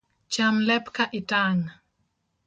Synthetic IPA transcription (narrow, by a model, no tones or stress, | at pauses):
t͡ʃamlɛpkaʔɪtaŋ